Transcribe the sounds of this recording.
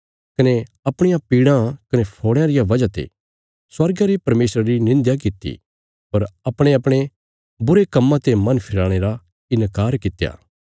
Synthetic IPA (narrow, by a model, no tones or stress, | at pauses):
kɐne | ɐpɽ̃ɪjãpiːɽãkɐnepʰoːɽ̃ãɾɪjaʋɐd͡ʒat̪ḛ | swɐɾɡaɾepɐɾmeːsɾaɾinɪ̃nd̪jakɪt̪ːḭ | pɐɾɐpɽ̃eɐpɽ̃e | bʊɾekɐmːãt̪emɐ̃npʰɪɾaːɽ̃eɾa | ɪnkaːɾkɪt̪ːja̰ː